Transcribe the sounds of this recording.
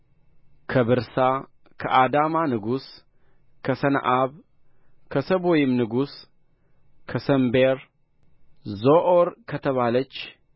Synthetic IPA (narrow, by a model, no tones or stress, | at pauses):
kʰəβɨɾsa | kʰə̰ʔad̪amanɨɡus | kʰəsən̰ʔaβ | kʰəsəβojɪmnɨɡus | kʰəsəmbeɾ | zoʔoɾkʰət̪ʰəβalət͡ʃː